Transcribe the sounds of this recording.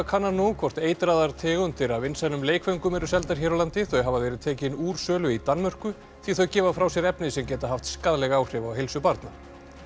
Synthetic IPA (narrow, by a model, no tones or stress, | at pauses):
akʰanːanɔkʰvɔr̥t̪eːjt̪ɾaːðaɾ̥t̪ʰɛːɣʏmt̪ʰɪɾavɪnsanʏmleːjkfœɥŋkʏmɛɾʏsɛlt̪aɾ̥çɛːɾawlant̪ɪθœjɦavaðvɛːɾɪðt̪ʰɛːcɪnuːɾ̥sœːlʏit̪anːmœr̥kʏ | θiθœɥcɛːvafɾawsjɛɾɛpnɪsɛmcɛːt̪aɦaft̪skaðlɛɣaːwr̥ɪvawɦejlsʏpaɾt̪na